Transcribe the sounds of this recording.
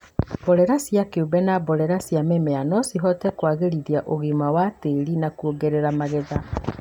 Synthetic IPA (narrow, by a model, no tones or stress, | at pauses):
bɔɾɛɾasjakeubɛnabɔɾɛɾasjamemeanɔsiɦɔtɛkwaːɣeɾiðiaʔoɣimawateɾinakuoɡeɾeɾamaɣeða